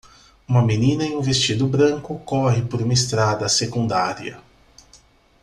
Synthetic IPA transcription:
ũmɐmenĩnɐẽj̃ũvest͡ʃid̪ʊbɾɐ̃ŋkʊkɔɦɪpoɾũmɐest̪ɾad̪ɐsekũnd̪aɾiɐ̰

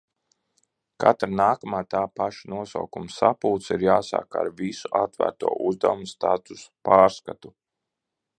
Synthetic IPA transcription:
ka̰t̪ɾnaːkamaːt̪aːpaʃanuɔsa̰wkumsapuːt̪siɾjaːsa̰ːka̰ɾvisuʔat̪væ̰ːɾt̪uɔʔuzd̪a̰wumst̪at̪usu̥paːɾskat̪u

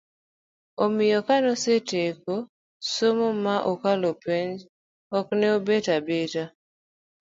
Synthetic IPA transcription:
omɪjɔkanɔseteko | somomaʔokalopeɲd͡ʒ | ɔknɛobetabeta

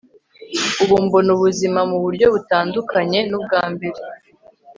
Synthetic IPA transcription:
uβuːmbonuβuzimamuβuɾɟo̞βutaːndukʰaɲe̞nub̚ɡaːmbe̞ɾe

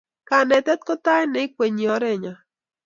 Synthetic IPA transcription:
kanet̪et̪̚kot̪aeneik̚ʷeɲioɾeɲa

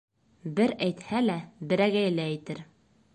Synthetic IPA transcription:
bɘɾæjt̪hælæbɘ̆ɾæɡæjɘ̆læːjt̪ɘɾ

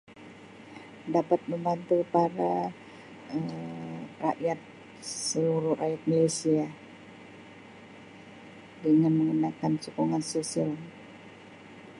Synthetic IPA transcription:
dapat̪̚məmbant̪upaɾa | ə | raʔjat̪̚ | səluɾuhrajat̪̚malajsia | dəŋanməŋənakansukuŋansosial

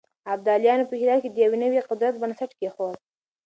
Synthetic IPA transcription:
ab̚d̪ɑljɑnopəhilɑɾ̚ked̪əjawenəwiqʊd̪ɾat̪̚bənsaʈkexod̪

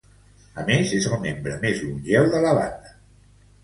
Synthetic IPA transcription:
əmezezəlˠmembɾəmezlunʲʒɛwðələβa̰nd̪ə

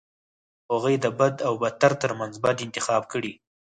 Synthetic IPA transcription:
haɣujd̪əbad̪awbat̪aɾt̪əɾmanzbad̪ɪnt̪ɪxɑb̚kəɽi

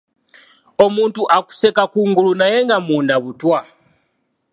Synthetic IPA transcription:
o̞muːntuʔaku̥se̞kakuːŋɡulunaje̞ŋɡamuːndaβutwa

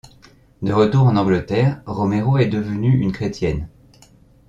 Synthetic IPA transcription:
d̪əʁət̪uʁɑ̃nɑ̃ɡlət̪ɛːʁʁɔmeʁoɛd̪əvənyynkχet̪jɛn

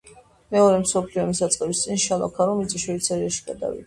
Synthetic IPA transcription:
mɛɔɾɛmsɔpʰliɔmisat̪sʼqʼɛbist̪sʼinʃalˠa̰kʰaɾɔmit̪sʼiʃɛit̪sʰɛɾiaʃi̥ɡad̪a̰vḭd̪a

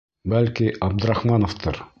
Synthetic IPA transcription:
bælkiʔɑb̚d̪ə̆ɾɑχmɑnoft̪ɤɾ

